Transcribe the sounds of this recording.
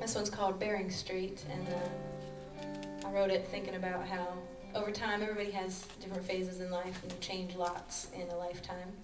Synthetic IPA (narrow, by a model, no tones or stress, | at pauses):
ðɨswʌ̃nz̥kʰɔlˠd̚bɛɹɪ̃ŋstɹ̥iɾɨ̃nʌ | aɪɹoʊɾɨt̪̚θɪ̃ŋkɪ̃ŋɨbaʊt̚ɦaʊ | ʔoʊvə˞tʰãɪ̃mɛvɹibɑɾiɨz | d̥ɪfɹɨ̃ntfeɪzɨzɨ̃nlaɪfn̩t͡ʃʰẽɪ̃nd͡ʒlɑtsɪ̃nðəlaɪftʰãɪ̃m